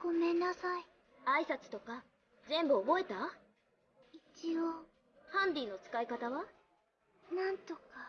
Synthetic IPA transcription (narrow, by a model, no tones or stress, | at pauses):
ɡ̥o̞mẽnːasai | aisat͡sɨ̥t̪o̞ka | zẽ̞mbɯ̟obo̞e̞t̪a | it͡ɕio | hãnd̪ʲiːnːo̞t͡sɨ̥kaikat̪aβa | nãnt̪o̞ka